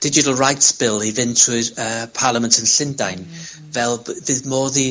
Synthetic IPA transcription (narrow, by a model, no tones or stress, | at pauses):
d̥ɪd͡ʒɪtəl̩ˠɹajtsb̥ɪlˠiðɪntʰuəpʰaːlˠəmə̃ntʰənɬɪndajn | vɛlˠðɪmɔːði